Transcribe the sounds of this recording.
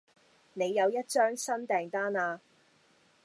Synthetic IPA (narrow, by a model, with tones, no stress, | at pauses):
ne˨˧jːɐ˨˧wjɐ˥t̚t͡ʃœː˥ŋsɐ˥nt̪ɛː˨ŋt̪aː˥naː˧